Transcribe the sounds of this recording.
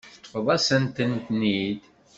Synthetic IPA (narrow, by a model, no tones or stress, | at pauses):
fəðˤæsənt̪ənt̪nid̪